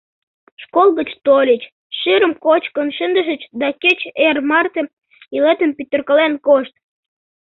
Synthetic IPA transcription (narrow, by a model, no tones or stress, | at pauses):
ʃkolɣət͡ɕt̪olʲət͡ɕ | ʃyɾəmkot͡ɕkənʃənd̪əʒə̆t͡ɕd̪ɑket͡ɕermɑrt̪ĕm | ilet̪əmpyt̪ːə̆rkəlenkoʃt̪̚